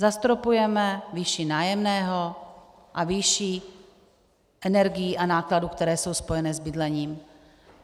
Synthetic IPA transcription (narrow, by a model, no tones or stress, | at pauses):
zast̪ɾopujɛmɛviʃinaːjɛmnɛːɦo | ʔaviʃi | ʔɛnɛɾɡɪjiːʔanaːkladukt̪ɛɾɛːso̞wspo̞jɛnɛzbɪdlɛɲiːm